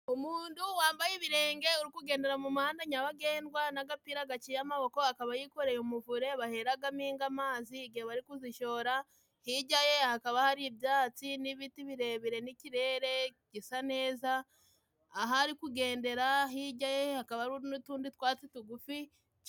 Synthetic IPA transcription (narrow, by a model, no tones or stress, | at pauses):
umuːnduwaːmbajeβiɾe̞ːŋɡe̞uɾikuɡe̞ːnde̞ɾamumahaːndaɲaβaɡe̞ːnɡwanaɡapiɾaɡat͡ʃijamaβo̞ko̞hakaβajiko̞ɾe̞jomuvuɾe̞βahe̞ɾaɡamiːŋɡamaːziɡiaβaɾikuziʃo̞ɾa | hiɟaje̞hakaβahaɾibjaːt͡siniβitiβiɾe̞βiɾe̞niciɾe̞ːɾe̞ɟisane̞ːzaː | ɦaɾikuɡe̞ːnde̞ɾaɦiɟaje̞hakaβaɾuɾinutuːnditwaːt͡situɡufi